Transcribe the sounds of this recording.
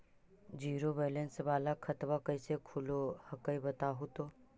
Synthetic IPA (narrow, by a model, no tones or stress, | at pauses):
d͡ʒiːɾobeːlensʋaːlakʰət̪ʋakəisekʰʊlohəkəibət̪aɦot̪oː